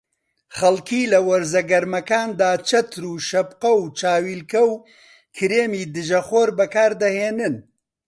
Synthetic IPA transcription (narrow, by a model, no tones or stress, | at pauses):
χɐlkʰiːlɐwɐɾzɐɡɐɾmɐkaːnd̪aːt͡ʃʰɐt̪ʰɾuːʃɐbqɐwt͡ʃʰaːwiːlkɐw | kʰɨɾeːmiːd̪ɨʒɐχoːɾbɐkaːɾd̪ɐheːnɨn